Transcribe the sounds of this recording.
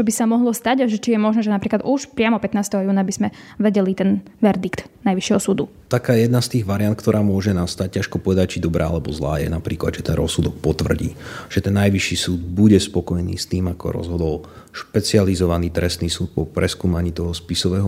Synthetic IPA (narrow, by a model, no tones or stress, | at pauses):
t͡ʃɔbisamɔɦlɔst̪aɟaʒɛt͡ʃijɛmɔʒnɛːʒɛnapɾiːklad̪uʃpɾɪamɔpɛt̪naːst̪ɛɦɔjuːnabiz̥mɛ | ʋɛɟɛlit̪ɛn | ʋɛɾd̪ikt̪ | najʋiʃjɛɦɔsuːd̪u | t̪akaːjɛjɛd̪nast̪iːɣʋaɾiant̪̚kt̪ɔɾʔaːmʊɔʒɛnast̪ac̚caʃkɔpɔʋɛd̪ac̚t͡ʃid̪ɔbɾa̰ːa̰lɛbɔzla̰ːjɛ̰napɾiːklad̪ʒɛt̪ɛnɾɔsːud̪ɔk̚pɔt̪ʋr̩ɟḭːʒ̥ɛt̪ɛnːajʋiʃiːsuːd̪buɟɛspɔkɔjnḭːst̪iːmakɔ̰ɾɔ̰zɦɔd̪ɔl | ʃpɛt͡sializɔʋaniːt̪ɾɛst̪niːsuːt̪̚pɔpɾʔɛskuːmaɲiːt̪ɔɦɔspisɔʋɛːɦɔ